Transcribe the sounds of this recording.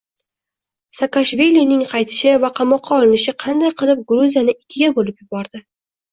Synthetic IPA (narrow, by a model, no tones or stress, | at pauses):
sakaʃvilinɪŋqʰɑjt̪ʰɪ̥ʃɪvaqʰɑmɒqʰːɑɒlˠɪnɪʃɪqʰɑnd̪ajqʰɨlˠɪp̚ɡɾuzʲijanɪʔɪkʲʰːɪɡʲabolɪpjʊbɒɾd̪ɪ